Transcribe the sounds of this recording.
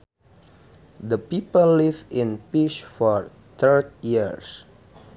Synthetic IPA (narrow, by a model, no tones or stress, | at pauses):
d̪əpipəlːivĩnpiʃfɔɹ | t̪ʰəɹt̚jiəɹs